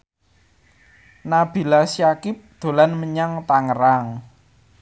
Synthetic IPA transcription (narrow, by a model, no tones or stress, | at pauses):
nab̥i̤lasjakɪp̚d̪̥o̤lanməɲaŋt̪aŋəɾaŋ